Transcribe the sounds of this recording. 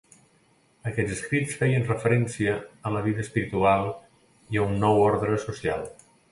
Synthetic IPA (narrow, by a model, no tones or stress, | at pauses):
əkɛd͡zəskɾit͡sfɛjənrəfəɾɛnsiəːmləβ̞iðəːspiɾit̪ualˠ | iəunːɔwɔɾðɾəsusia̰lˠ